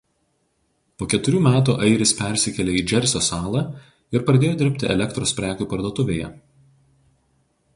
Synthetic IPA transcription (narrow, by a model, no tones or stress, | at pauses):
poːkʲɛt̪ʊɾʲuːmʲæːt̪̬uːʔɐɪɾʲɪspʲɛɾʲsʲɪkʲɛlʲeːiːd͡ʒʲɛɾʲsʲoːsɑːlˠɑ | ɪɾpɾɐd̪ʲeːjoːd̪ʲɪɾʲpʲt̪ʲɪʔɛ̰lʲɛkt̪ɾoːspʲɾʲæːkʲuːpɐɾd̪oːt̪ʊʋʲeːjɛ̰